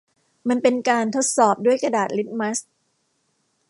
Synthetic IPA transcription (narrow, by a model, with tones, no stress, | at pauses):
ma˧npe˧nkaː˧nt̪ʰo˦˥t̪̚sɔː˨˩p̚du˥˩əjka˧daː˨˩t̪̚li˦˥t̪̚ma˦˥s